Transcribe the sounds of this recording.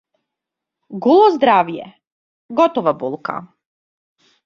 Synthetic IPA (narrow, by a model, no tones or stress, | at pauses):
ɡulˠozd̪ɾaːʋjḛ | ɡot̪oʋabulˠka̰